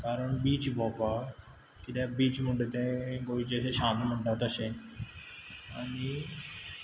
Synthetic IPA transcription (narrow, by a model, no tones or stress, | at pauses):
kaːɾəɳbiːt͡ʃbɔːpaː | kɪd̪ɛːbiːt͡ʃmʊɳɖeːt̪ẽːkoːiːd͡ʒɛseʃaːnməɳɖaːt̪əʃẽː | əni